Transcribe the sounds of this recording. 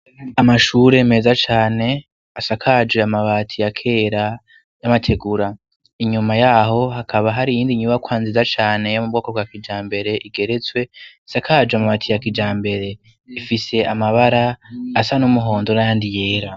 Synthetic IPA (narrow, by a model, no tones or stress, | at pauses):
amaʃuːɾeme̞ːzat͡ʃaːne̞ | asakʰad͡ʒweamaβaːtʰijakʰe̞ːɾa | jamatʰe̞ɡuɾa | iɲumajaɦo̞ɦakʰaβaɦaɾijiːndiɲuβakwaːnzizat͡ʃaːne̞jomub̚ɡo̞ːkobɡakid͡ʒaːmbe̞ɾe̞ʔiɡe̞ɾe̞t͡swe̞isakʰaːd͡ʒweamaβaːtʰijakid͡ʒaːmbe̞ɾe̞ | ifise̞amaβaɾaːsanumuɦo̞ːndonajaːndije̞ːɾa